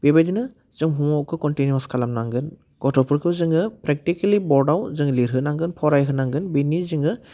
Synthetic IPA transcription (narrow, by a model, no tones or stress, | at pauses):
b̥ebadinɯ | zɯŋɦuɔkʰɯkɔntinjuaskʰalamnaŋɡɯn | ɡ̥ɔtʰɔpʰuɾkʰɯzɯŋɯpɾɛk̚tikalibɔɹɖawzɯŋliɾɦɯnaŋɡɯnpʰɔɾajɦɯnaŋɡɯnbiniziŋɡɯ